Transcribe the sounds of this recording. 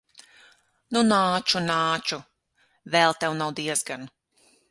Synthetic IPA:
nunaːt͡ʃunaːt͡ʃu | vɛlˠt̪ɛwnawd̪iɛzɡan

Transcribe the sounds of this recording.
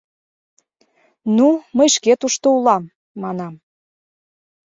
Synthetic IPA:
numəjʃket̪uʃt̪oulɑmː | ɑnɑm

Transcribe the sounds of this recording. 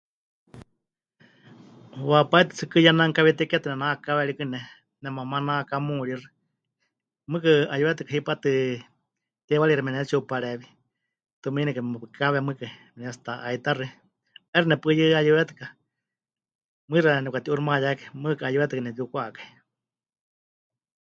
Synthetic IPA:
wapait̪ɨt͡sʰɨkɨjanaŋkaβit̪ikɛt̪ɨnɛnakaβɛɺikɨnɛ | nɛmamanakamuɺirɨ | mɨkɨajuβɛt̪ɨkaɦipat̪ɨ | t̪ɛwaɺiɾimɛnɛt͡ʃupaɺɛβi | t̪uminɛkaɛpɨkʰaβɛmɨkaimɛnɛst̪aʔait̪arɨ | ɛrɨnɛpɨjɨajuβɛt̪ɨ̥ka | mɨɾanɛukat̪iʔurɨmajakamɨkɨajuβɛt̪ɨkanɛt̪iukʷakḁi

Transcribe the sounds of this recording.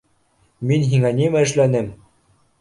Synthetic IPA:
minɦiŋænimæɘ̆ʃ̬lænɘm

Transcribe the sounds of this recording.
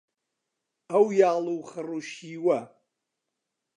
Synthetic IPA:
awjaːlˠuwχəruʃiːwɐ

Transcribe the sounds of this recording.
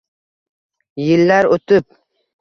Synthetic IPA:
jɪlːaɾot̪ʰɪp̚

